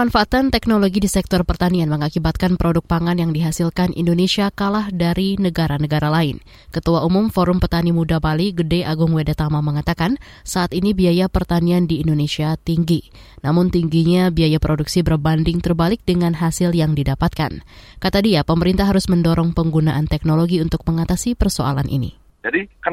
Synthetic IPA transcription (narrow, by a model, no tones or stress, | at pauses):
manfaːt̪ant̪ɛk̚noloɡidisɛk̚t̪ɔrpərt̪anianməŋakibat̪̚kanpɾodʊk̚paŋanjaŋdiɦasɪlkanʔḭndoneʃiakalahdaɾinəɡaɾanəɡaɾalaɪn | kət̪uaumʊmfoɾʊmpərt̪animudabaliɡədɛʔaɡʊŋwedat̪amaməŋat̪akan | saʔat̪inibiajapərt̪aniandiːndonesiat̪iŋɡinamʊnt̪iŋɡiɲabiajapɾoduksibərbandɪŋt̪ərbalɪk̚dəŋanɦasɪljaŋdidapat̪̚ka̰nkat̪adiapəməɾint̪ahɦːaɾʊsməndoɾɔŋpəŋɡunaʔant̪ɛk̚noloɡiunt̪ʊk̚məŋat̪asipərsoa̰lanʔḭnḭ | d͡ʒadikə